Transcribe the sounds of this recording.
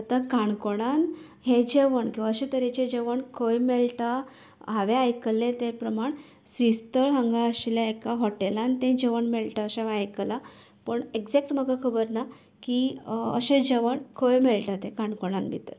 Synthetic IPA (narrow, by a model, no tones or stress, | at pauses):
ət̪akaɳkoɽ̃an | ɦẽd͡ʑeʋəɳkĩwʋaəɕẽt̪əɾet͡ɕẽd͡ʑeʋəɳkʰəjmeɭʈa | ɦaʋeajkəlẽt̪epɾəmaɳ | sʋist̪əɭɦə̃ŋɡaəɕljaekaɦɔʈelant̪ẽd͡ʑeʋəɳmeɭʈaəɕẽʋajkəla | pəɳeɡd͡zek̚ʈm̤əɡakʰəbəɾna | kiə̰ɕẽd͡ʑeʋəɳkʰojmeɭʈat̪ẽkaɳkoɽ̃ãnbʱḭt̪əɾ